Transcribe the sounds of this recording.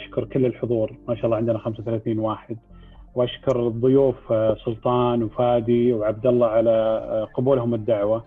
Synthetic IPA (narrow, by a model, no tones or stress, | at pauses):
ʔaʃkʊɾkɪlːɪlħʊðˤuːɾmaʃaʔlˤːɑʕɪnd̪naxamsawθalaːθiːnwaːħɪd̪ | wʔaʃkʊɾˤðˤʊjuːfsʊlt̪ˤɑːnwfaːd̪iwʕab̚d̪ɑlˤːɑːʕalaqʊbuːlɦʊmɪd̪ːaʕwa